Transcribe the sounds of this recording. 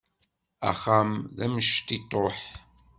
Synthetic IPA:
a̰χamðæməʃt̪it̪ˤoħ

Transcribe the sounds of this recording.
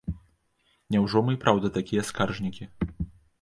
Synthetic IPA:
nʲɛwʐɔmɨpɾʔawd̪ɐt̪akʲijɐskarʐnʲikʲi

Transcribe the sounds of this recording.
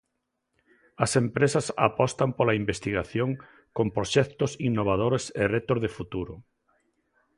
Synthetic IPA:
ɐsempɾesasa̰pɔst̪ampolaimbest̪iɣaθjoŋ | kompɾoʃɛkt̪osinːoβ̞að̞oɾeserɛt̪ozðefut̪uɾʊ

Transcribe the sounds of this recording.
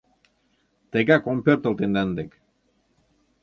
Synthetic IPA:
t̪eɡakompert̪ə̆lt̪end̪and̪ek

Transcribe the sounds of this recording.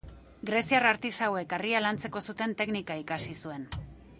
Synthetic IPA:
ɡɾe̞siaraɾt̪isawe̞karialant͡se̞ko̞sut̪e̞nt̪e̞knikaikasisue̞n

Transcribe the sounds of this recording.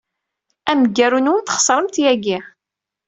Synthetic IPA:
æməɡːæɾunwənt̪ə̥χə̥sˤɾˤəmt̪jæɡi

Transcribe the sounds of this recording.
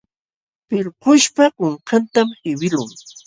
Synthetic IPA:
pɪɾqʊʃpakʊɴqant̪amɪwɪlʊŋ

